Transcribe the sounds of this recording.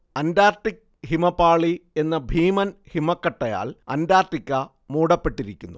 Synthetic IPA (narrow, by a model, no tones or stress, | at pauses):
ɐndaːrt̪ik̚ | himɐpːaːɭie̞nːɐbʱiːmɐnhimɐkːɐʈːɐja̰ːɭɐnd̪aːrt̪ikʲːɐ | muːɽɐpːe̞ʈːiɾikʲːunːu